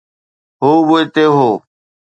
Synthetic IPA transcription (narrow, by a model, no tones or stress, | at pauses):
ɦoːʋoːit̪eːɦoː